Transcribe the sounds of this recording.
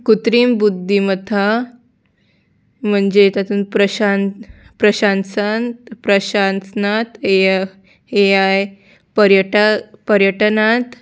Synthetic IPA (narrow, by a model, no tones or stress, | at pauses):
kut̪ɾiːmbud̪ʱːimət̪ʰa | m̤əɳd͡ʑet̪at̪uːnpɾəɕanpɾəɕansant̪pɾəɕansnat̪e | ɦejaj | pəɾjəʈapəɾjəʈənat̪